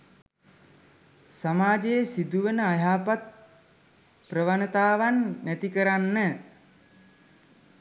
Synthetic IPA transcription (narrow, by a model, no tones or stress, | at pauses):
samaːd͡ʒejəsid̪uʋənəajaːpat̪̚ | prəʋanət̪aːʋanːæt̪ikəɾanːə